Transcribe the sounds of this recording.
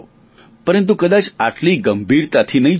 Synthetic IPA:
pəɾənt̪ukəd̪at͡saʈliɡəmbʱiɾt̪at̪ʰiːnəi

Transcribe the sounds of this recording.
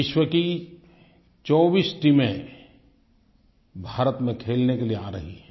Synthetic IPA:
ɪʃwəki | t͡ʃɔːbiːsʈimẽ | bʱaːɾət̪mẽkʰeːlnekelieaːɾɐɦiɦɛː

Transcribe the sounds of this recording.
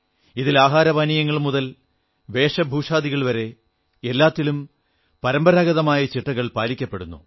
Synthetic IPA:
iðilaːɦaːɾɐʋanijɐŋːɐɭmuðɐl | ʋe̞ːʂɐbʱuːʂaːd̪iɣɐɭʋɐɾe̞ | elːaːt̪ːilum | pɐɾɐmbɐɾaːɣɐðɐmaːjɐt͡ɕiʈːɐɣɐɭpaːɾikʲːɐpːe̞ɽunːṵ

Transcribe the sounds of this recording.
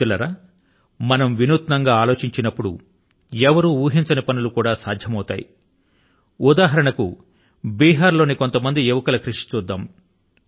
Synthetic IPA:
ulɐɾaː | mɐnɐmʋinuːt̪nɐŋɡaːaːlo̞ːt͡ʃiɲt͡ʃinɐpːuɽṵ | ɛʋɐɾuːuːɦiɲt͡ʃɐneːpɐnulukuːɽaːsaːd̪ʱjɐmɐwt̪aːjḭ | ud̪aːɦɐɾɐɳɐku | biːɦaːɾlo̞ːniko̞nt̪ɐmɐnd̪ieʋɐkɐlɐkɾiʂi̥t͡ʃuːd̪ːaːm

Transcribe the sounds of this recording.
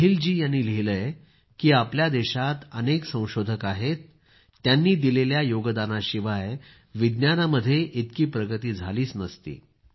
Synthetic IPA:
əɦild͡ʑiːjanːiːleləj | kiːapljad̪eɕat̪əneksə̃w̃ɕod̪ʱəkaɦet̪ː | janːiːd̪ileljajoɡəd̪anaɕiʋaj | ʋid̪njanaməd̪ʱːjeʔit̪kiːpɾəɡət̪iːd͡zʱaliːsnəst̪ḭː

